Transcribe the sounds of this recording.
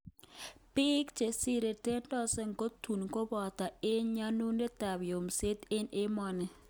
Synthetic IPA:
pɪ˦kt͡ʃe˨sɪ˦ɾe˨te˦ndɔ˦sɛ˦ŋɡo˦tu˨nko˦bɔ˨ta˨ɪ˦ɲɲa˦nu˦ne˦ta˨bjo˨mse˦t̪ɪ˦nɪ˦mɔ˦nɛ˨

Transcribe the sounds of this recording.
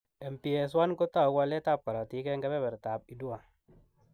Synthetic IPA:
e˨m̩˨pi˨e˨s̬wa˦nko˦ta˦˨ka˧˦le˦ta˦˨p̚ka˨la˨ti˨˦ke˦ŋɡe˦be˦bɛ˨ɾta˨p̚i˨du˦wa˨

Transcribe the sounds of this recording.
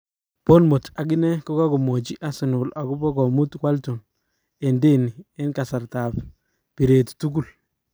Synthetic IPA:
pɔ˦nmo˨ta˨ɡɪ˦nɛ˦kɔ˦ka˦kɔ˨mo˨t͡ʃi˦ʔa˨sɪ˨nʊ˨la˨ku˦bɔ˦ɡɔ˨mu˦twa˦ltu˨n | ɛ˨nde˦ni˨ɛ˦nka˨sa˨ɾta˨p | pi˨ɾe˨ttu˦ɡu˦l

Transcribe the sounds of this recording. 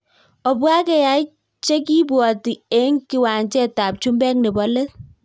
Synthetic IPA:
ɔ˨bwa˦kɛ˨ja˨˦i˦ | t͡ʃe˦ki˦bwɔ˨ti˨e˦ŋki˨wa˨nt͡ʃɛ˦ta˨p̚t͡ʃu˦mbɛ˦k̚ne˨bɔ˨le˦s

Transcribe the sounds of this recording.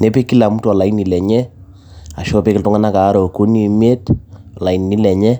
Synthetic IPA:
ne˦pe˦ki˦la˨mu˦tɔ˨la˨i˦ni˨lɛ˨ɲɛ˦ | a˨ʃɔ˦pe˦kɪ˨ltʊ˦ŋa˦na˦kaː˨˦ɾɔ˨ko˦ni˦˨me˦tɔ˨la˨i˨ni˨ni˦lɛ˨ɲɛ˦

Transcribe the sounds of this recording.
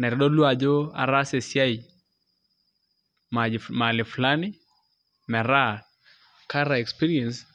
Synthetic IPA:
nɛ˨ɾɗɔ˦lu˦a˨d͡ʒɔ˦a̰˨ɾa˦se˨sja˦i˨ | ma˨ma˨lɪ˨fla˦nɪ˦ | mɛ˨ɾa˦ | ka˦ɾa˨ɛ˨kspi˦ɾiɛ˨ns

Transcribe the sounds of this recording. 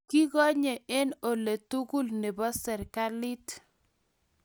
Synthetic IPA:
ki˦ɣɔ˦ɲe˨ʔe˦no˨le˨tu˦ɡu˦lne˨bɔ˦sɛ˨ɾka˦li˦t

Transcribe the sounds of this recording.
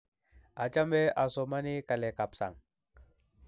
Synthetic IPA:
a˨t͡ʃa˦mbe˦ʔa˨so˨ma˦ni˦ka˨le˨ka˨psa̰˨ŋ

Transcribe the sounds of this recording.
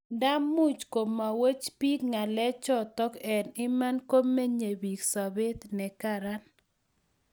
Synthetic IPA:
da˦mːu˦t͡ʃko˨mːa˨we˦t͡ʃpi˦kŋa˨lɛ˦t͡ʃɔ˦t̪ɔ˦kɛ˨nɪ˦ma˦nkoː˦e˦ɲe˨bi˨ksa˨bɪ˦t̪nɛ˨ka˨ɾa˦n

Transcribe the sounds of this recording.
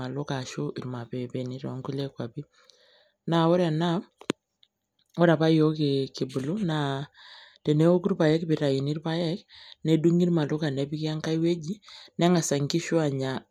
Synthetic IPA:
a˨lʊ˦ka˨ʃu˦ʔi˨ɾma˨pɛ˨pɛ˨ni˦ɾɔ̰˨˦ŋɡu˦lɛ˦kwa˨bi˦ | na˨ɔ˦ɾa˨na˦ | ɔ˦ɾa˨pa˦jo˦ke˨ki˨bu˨lu˦na˨ | tɛ˨nɛ˦o˦ku˦ɾpa˨jɛ˦kpi˨ɾa˨ji˨ni˦ɾpa˦jɛ˦knɛ˨du˦ŋi˦ɾma˨lu˦ka˨nɛ˦bi˦ki˦a˦ŋka˦jwe˦d͡ʒi˦nɛ˦ŋa˨sa˨ŋɡi˦ʃu˦a˨ɲa˨

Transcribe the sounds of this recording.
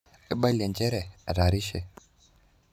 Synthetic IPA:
ɛ˦ɓa˦lia˨nd͡ʒɛ˦ɾɛ˨ɾa˨ɾi˦ʃɛ̰˨

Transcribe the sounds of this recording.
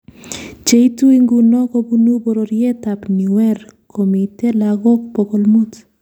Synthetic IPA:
t͡ʃe˦itu˦iŋɡu˨nɔ˦ko˦bu˦nu˦bo˨ɾo˨ɾje˦t̪apni˨wɛɾkʰomi˨te˦laɡɔ˦kpɔko˨lmu˦t̪

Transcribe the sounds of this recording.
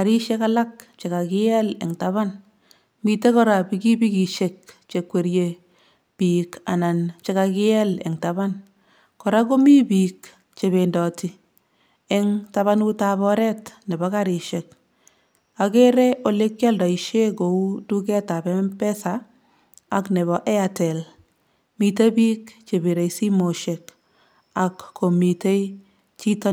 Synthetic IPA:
ka˨ɾi˦ʃe˦ka˦la˦kt͡ʃe˨ka˨kɪ˦jɛ˦lɛ̰˨ŋtaβa˦n | mi˨te˦kɔ˦ɾa˨pi˨ɡi˦bi˦ki˨ʃe˨k̚t͡ʃe˨kwe˨ɾje | pi˨ka̰˨na˨nt͡ʃe˦ka˨kɪ˦ɛ˦lɛ̰˨ŋta˨βa˦n | kɔ˨ɾa˦ko˦mi˦bi˨k | t͡ʃe˨βe˨ndɔ˨ti˨ | ɛ˦ŋta˦βa˦nu˦ta˦βɔ˦ɾɛ˦tnɛ˨bɔ˦ka˦ɾɪ˨ʃe˨k̚ | a˨ke˦ɾɛ˦ʔo˨le˦kja˦ldɔ˨i˨ʃe˦ɡo˨u˦du˦kɛ˦ta˨bɛ˦mpɛ˦sa˨ | aknɛ˨βɔ˨ʔɛ˦a˨tɛ˨l | mi˨te˦bi˦kt͡ʃe˨bi˨ɾe˨jsi˦mo˨ʃe˨k | a˨kːo˨mi˨te˦j | t͡ʃi˦tɔ˦

